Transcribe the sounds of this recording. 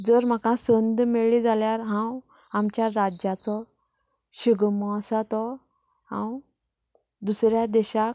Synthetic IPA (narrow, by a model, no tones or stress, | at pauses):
d͡zəɾm̤akãsənd̪meɭid͡zaljaɾɦãw | amt͡ɕjaɾad͡ʑjat͡sɔ | ɕiɡmɔsat̪ɔ | hã̰w | d̪usɾjad̪ɛɕak